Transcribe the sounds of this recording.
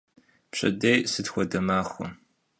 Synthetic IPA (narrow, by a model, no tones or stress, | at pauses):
pɕʼɐ̰dejsɨdxʷɔdɐmaːxʷɔ̰